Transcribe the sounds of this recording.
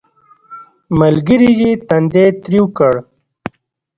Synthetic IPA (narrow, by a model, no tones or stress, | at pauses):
məlɡiɾiɡit̪ɐnd̪et̪ɾiwkəɽ